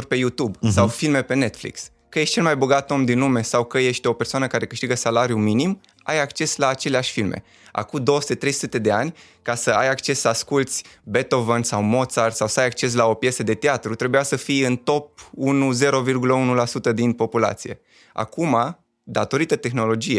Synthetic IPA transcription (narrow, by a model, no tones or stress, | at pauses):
rʲpe̞jut̪ubsawfilme̞pe̞ne̞t̪flḭks | kəjeʃt̪ʲt͡ʃe̞lmajboɡat̪o̞md̪inlume̞sawkəje̞ʃt̪ʲo̞pe̞rsoanəkaɾe̞kɨʃt̪iɡəsalaɾjuminim | ajakt͡ʃe̞slaːt͡ʃe̞leaʃʲfilmḛ | a̰kud̪o̞osu̥t̪e̞t̪ɾe̞jsu̥ut̪e̞d̪e̞anʲ | kasəajakt͡ʃe̞sːəaskult̪sʲbe̞t̪o̞vənsawmo̞t̪sart̪sawsəajak̚t͡ʃe̞s̬lao̞pje̞səd̪e̞t̪eat̪ɾut̪ɾe̞bujasəfijɨnt̪o̞p̚unuze̞ɾo̞virɡuləunulasut̪əd̪inpo̞pula̰t̪sije̞ | a̰kuma | d̪at̪o̞ɾit̪ət̪e̞xno̞lo̞d͡ʒije